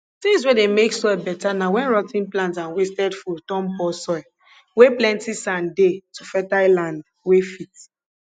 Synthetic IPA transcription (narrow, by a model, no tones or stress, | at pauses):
tĩŋs̬wedemeksɔjbɛtanawɛ̃nɹɔtĩnplãntsãnwestɛdfɔtɔ̃mpɔsɔj | weplɛ̃ntisãndetufɛtalãnd | wefit